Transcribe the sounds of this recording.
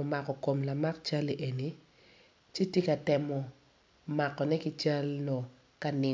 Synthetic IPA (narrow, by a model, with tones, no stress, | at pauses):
o˨ma˨kɔ˨ko˨mla˨ma˦k̚t͡ʃa˦le˨ʔe˨ni˨ | t͡ʃe˦tje˦ka˨tɛ˨mɔ˨ | ma˨kːɔ˨nɛ˦kɪ˦t͡ʃa˦lnɔ˨ | ka˦nɪ˨